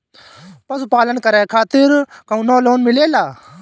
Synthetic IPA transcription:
pɐspaːlənkɐɾɛːkʰaːt̪ɪɾkɐũnoːloːnmɪleːlaː

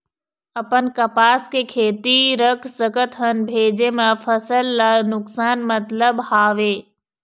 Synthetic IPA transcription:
ɐpənkɐpaːskekʰeːt̪iɾəkʰsəkət̪ɦənbʱeːd͡ʑemẽfʰɐsəlːanʊksaːnmɐt̪ləbɦaːʋeː

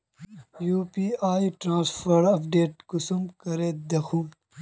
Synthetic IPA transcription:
juːpiːaːiʈɾãːnsfɐɾɐpɖeːʈ̚kusumkɐɾeːt̪̚d̪ɐxʰuː

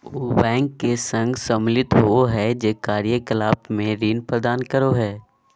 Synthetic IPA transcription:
obɛ̃ːŋkːesə̃ŋɡsɐmlɪt̪ɦooɦɛd͡ʒeːkaːɾjəkɪlaːbmẽɾiːnpɾəd̪aːnkəɾoɦɛː

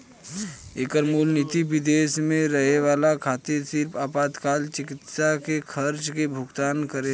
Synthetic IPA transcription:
eːkəɾmuːlnɪt̪iʋɪd̪eːʃmẽɾɐɦeʋaːlakʰaːt̪ɪɾsɪɾpʰaːpaːd̪kaːlt͡ʃɪkɪt̪ʃakekʰəɾt͡ʃkebʱʊɡt̪aːnkəɾe

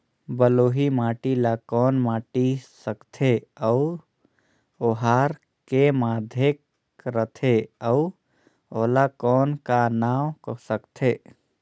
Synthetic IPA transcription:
bəloːɦimaːʈilakɔːnmaːʈisəkt̪ʰeəu | oɦaɾ | kemaːd̪ʱek | ɾət̪ʰeəu | olakɔːnkanaːwksəkt̪ʰe

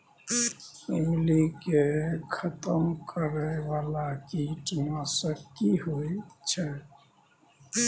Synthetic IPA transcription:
oːlikekʰət̪əmkəɾɛʋalakiʈnasəkːiɦoit͡ʃʰɛ

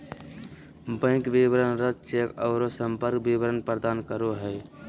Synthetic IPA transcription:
bə̃ɪ̃kbiʋɾənɾət̪̚t͡ʃekɔʊɾosə̃mpəɾkbiʋəɾənpɾəd̪aːnkəɾoɦɛ

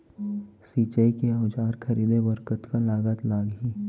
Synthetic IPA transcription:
siːt͡ʃəikeaʊd͡ʒaːɾkʰɐɾiːd̪ebəɾkət̪kalaːɡət̪laːɡɦiː

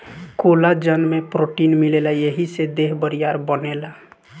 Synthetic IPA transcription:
kolad͡ʒənmepɾoʈinmilelajeɦised̪eɦbəɾijaɾbənela

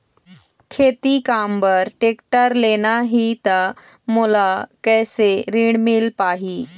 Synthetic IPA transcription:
kʰet̪ikambəɾʈekʈəɾlenaɦit̪ə | mulakɛjseɾiɳmilpaɦiː

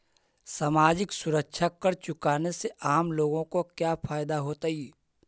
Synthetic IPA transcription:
saːmaːd͡ʒɪksʊɾəkʃʰakəɾt͡ʃʊkaːneseʔaːmloːɡõkokjaːfʰaːjd̪aɦoːt̪aɦiː

